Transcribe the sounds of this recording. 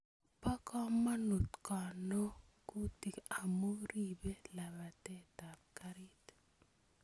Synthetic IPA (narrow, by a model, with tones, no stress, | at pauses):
pa˦kɔ˦ma˦nu˨tkɔ˨no˦ku˦ti˨ka˨mo˦ɾi˦be˦la˨ba˨tɛ˦ta˨p̚ka˦ɾi˦t